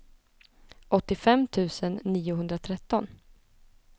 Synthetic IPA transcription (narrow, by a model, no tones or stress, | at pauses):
ʔɔt̪ːɪfɛmt̪ʰʉ̟ːsənːiːʊɦɵnd̪ɾat̪ʰɾɛt̪ːɔn